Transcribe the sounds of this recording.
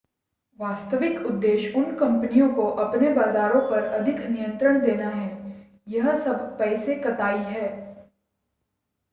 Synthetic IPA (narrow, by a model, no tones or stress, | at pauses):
ʋaːst̪əʋɪkʊd̪ːeːʃʊnkɐ̃mpənijõkoʔɐpnebaːzaːɾõpɐɾɐd̪ʱɪknijə̃nt̪ɾəɽ̃d̪eːnaɦɛː | jɐɦsɐbʱpɛːsekɐt̪aːiɦɛː